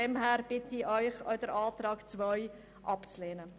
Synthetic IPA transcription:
ɛmhæːɾb̥ɪtiʔœʏχɔ̰d̥əɾɑːt̪ɾɑːkt͡svœʏ | ʔɑpt͡sleːnə

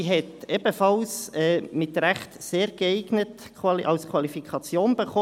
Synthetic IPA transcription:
ɦɛtɛbəfɑlsɛːmɪt̪ɾæχt̪seːɾɡəɛɪɡnət | kwɑlʔɑlskʰwɑlifikʰɑt͡sjoːnbəχɔː

